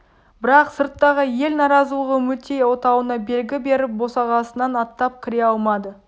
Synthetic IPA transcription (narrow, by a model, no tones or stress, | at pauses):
b̥ɪɾɑqsəɾt̪ːɑʁəje̞lnɑɾɑzuʁəmɵt̪e̞jwo̞t̪ɑwənɑbe̞lɡʲɪbe̞ɾɪp̚bo̞sɑʁɑsənɑnɑt̪ːɑp̚kʲʰɪɾe̞ɑlˠmɑd̪ə